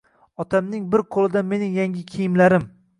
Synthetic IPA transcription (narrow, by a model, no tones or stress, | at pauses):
ɒt̪ʰamnɪŋbɪɾqʰolˠɪd̪ame̞nɪŋjaŋʲɪkʲʰejɪmlaɾɪm